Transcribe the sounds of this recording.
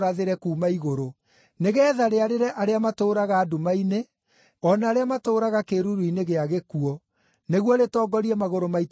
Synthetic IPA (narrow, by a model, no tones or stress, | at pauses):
ɾaðeɾɛkuːmaiɣoɾo | neɣɛːðaɾeaɾeɾɛʔaɾeamatoːɾaɣaːdomaine | ɔnaːɾeamatoːɾaɣakeɾuɾuineɣeaɣekuɔ | neɣwɔɾetɔːɡɔɾiɛmaɣoɾomait